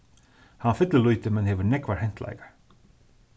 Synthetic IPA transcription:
hanfɪt̪ləlujt̪ɪmɛnɦɛvʏnɛkʋḁhɛn̥t̪la̰jkḁɹ

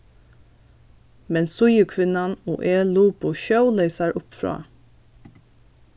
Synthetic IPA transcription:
mɛnsʊjəkʰʋɪnɑno̰ːʔeːluːpʊʃɑʊleɪsɑɹʔʊpfɾɑ̰ː

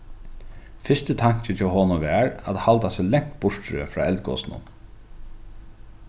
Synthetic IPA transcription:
fɪst̪ət̪ʰaɲ̥t͡ɕɪt͡ʃʰɪɦɔːnʊʋɛːɹæ̰t̪halt̪asɛlɛŋ̥t̪̚bʊɹ̥t̪ɾə̰fɾa̰ːɛlt̪kɔ̰ːsnʊ̰n

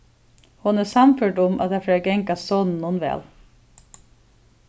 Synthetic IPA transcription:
hʊnæːsɑmfʏːʈʊmʔɑ̰t̪̚æfæːɡɛŋkɑssɔːnn̩nʊːnʋḛːl

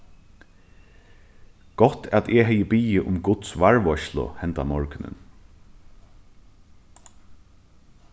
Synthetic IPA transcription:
ɡ̥ɔt̪ʰat̪ʰɛːɦɛjəbiːɪʔʊmɡʊt̪sʋaɹʋɔʃlʊ̰hɛnt̪amɔɹknɪ̰n

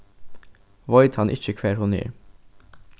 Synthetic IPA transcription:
ʋɔʏd̪hɑnʔɪ̰c͡çəkʰʋeːɾhʊnɪ̰ɾ

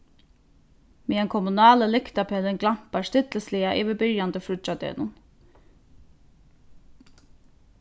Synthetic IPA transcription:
miːɛnkʰɔmʊnɑːləlɪkt̪apʰɛlɪnɡlam̥past̪ɪt̪ləslɪaʔɪːʋɪbɪɹjant̪əfɾʊt͡ʃad̪ɛ̰ːnʊn

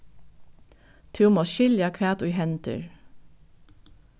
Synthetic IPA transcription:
t̪ʰʉːmoːʃʏljɑkʰʋæːt̪ʊɪhɛnt̪ʰʉ̰ɹ

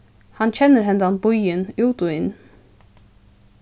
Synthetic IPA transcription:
hɑnc͡çɛnəɾhɛnd̪ɑnbɔʏənʉːt̪ʊɪn

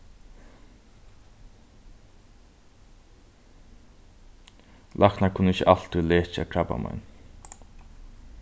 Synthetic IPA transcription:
lʔaknakʰʊnəɪçəʔal̥t̪ʏleːt͡ʃa̰kʰɾaba̰ma̰n

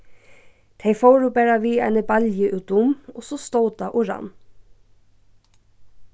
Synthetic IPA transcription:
t̪ʰeɪfoːɾʉbæɾɑʋiːæ̰ɪnəbɑljəʔʉːt̪ʊmɔsost̪oːd̪ɑːʔʊɾɑ̰n

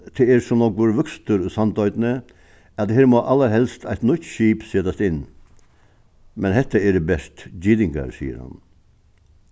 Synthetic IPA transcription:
t̪ʰɪeːɾsɔmnɔɡʋuɾʋœkst̪ʰəɾosɑnd̪œʏd̪nə | ɑt̪heːɾmoːʔɑlːəɾɦɛlst̪ʰæɪt̪nʏt̪ʃiːpsɛːt̪ɑst̪ɪn | mɛnhɛt̪ːəɛɖebɛst̪d͡ʒiːd̪ɪŋɡɑ̰ɾsḭːə̰ɾhɑ̰n

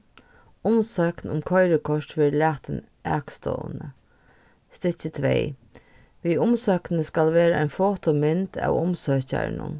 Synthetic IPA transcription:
ʊmsœknʊmkʰɔɪɾəkʰɔʂʈfɪɾlæːt̪ən | ʔæ̰ːkst̪ɔ̰nə | st̪ɪçət̪ʰʋḛɪ | ʋiːʊmsœːknnəskalʋeːɾəʔa̰ɪnfoːt̪ɔmɪnt̪æ̰ʋʊmsœːça̰ɹnʊ̰n

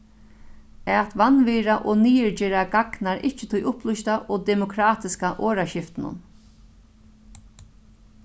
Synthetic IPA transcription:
ɛt̪ʋanviːɾaʔɔniːɪɹd͡ʒɛːɾaɡaknaɾɪht͡ʃɪt̪ʰʊjʊplʊʃt̪aʔɔd̪ɛmʊkʰɾaːt̪ɪskaʔoːɾaɕɪft̪ɪnʊ̰n

